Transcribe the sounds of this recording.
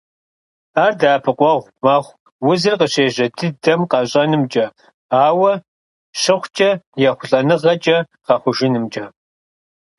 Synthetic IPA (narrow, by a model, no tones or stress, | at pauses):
aːrdaːpʰɨqʷʼɔʁʷ | mɐχʷ | wʊzɨrqəɕeːʑɐdʰɨdɐmqɑɕʼɐnɨmt͡ʃʼɐ | aːwɐ | ɕɪχʷt͡ʃʼɐjɛχʷʊɬʼɐnɨʁɐt͡ʃʼɐ | qɐχʷʊʒɪnɨmt͡ʃʼɐ